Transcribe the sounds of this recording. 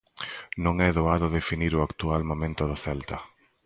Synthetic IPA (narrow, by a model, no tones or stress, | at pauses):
nõŋɛðoaðʊðefiniɾʊakt̪ualmõmẽnt̪ʊðʊθɛlt̪a